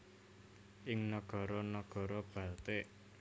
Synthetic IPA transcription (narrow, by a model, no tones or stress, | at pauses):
ʔɪŋnɔɡ̥ɔ̤ɾɔnɔɡ̥ɔ̤ɾɔb̥ä̤lt̪eʔ